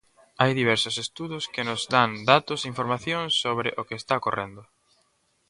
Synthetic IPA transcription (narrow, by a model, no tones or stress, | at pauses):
ajðiβ̞ɛɾsʊsest̪uðʊskɪnʊzd̪and̪at̪ʊsiɱfoɾmaθjõŋsːoβɾɪʔokest̪akorend̪ʊ